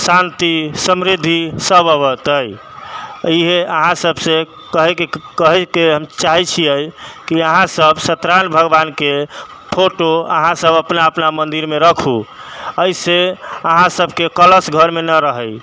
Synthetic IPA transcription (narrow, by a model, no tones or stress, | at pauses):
sant̪isəmɾid̪ʱisəbəβət̪əj | iɦeəɦãsəbʱse | kəɦɛkekəɦɛkeɦəmt͡ʃaɦɛt͡ʃʰijəjkiəɦãsəbʱsət̪ɾanbʱəɡbanke | pʰoʈoə̰ɦãsəbəpnaəpnamənd̪iɾmeɾəkʰuəjseəɦãsəbʱkekələsɡʱəɾmenəɾəɦəj